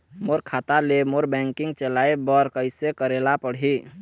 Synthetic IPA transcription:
moɾkʰat̪alemoɾbɛ̃ŋkiŋɡt͡ʃəlaebəɾkəɪsekəɾelapəɽɦi

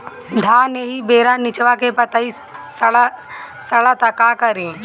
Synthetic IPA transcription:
d̪ʱãːneɦibeːɾanɪt͡ʃʋakepɐt̪aisɭasɐɭat̪akaːkəɾĩː

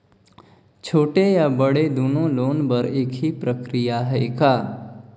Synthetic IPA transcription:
t͡ʃʰoːʈejabəɽed̪oːnõloːnbɐɾeːkʰɦipɾəkɾijaɦɛekaː

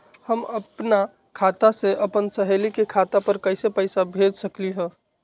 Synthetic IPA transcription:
həməpna | kʰaːt̪aseʔɐpənsəɦeːlikekʰaːt̪apəɾkɐɪsepəɪsabʱeːd͡ʒsəkliɦɛ̃ː

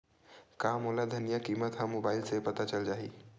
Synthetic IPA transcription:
kamoːlad̪ʱənijakimət̪ɦãmoːbaːɪlsepət̪at͡ʃəld͡ʒaːɦi

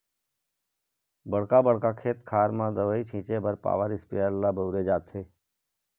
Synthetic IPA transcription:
bəɽkaːbəɽkaːkʰeːt̪kʰaːɾmãːd̪əʋəiːt͡ʃʰĩːt͡ʃeːbəɾpa̰ːʋəɾɪspijəɾlaːbəʊɾeːd͡ʒaːt̪ʰeː

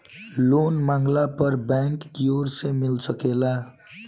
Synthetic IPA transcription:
lonmaŋɡlapʌrbjaŋkːijoɾsemilsʌkela

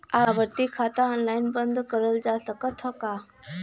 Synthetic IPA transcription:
aʋəɾt̪ikʰat̪aɔnlaɪnbə̃nd̪kəɾəld͡ʒasəkət̪ʰɔka

